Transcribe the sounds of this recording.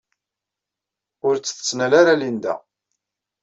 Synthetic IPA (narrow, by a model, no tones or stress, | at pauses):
ʊɾt͡sːə̥θə̥t͡sːnælaɾalind̪æ̰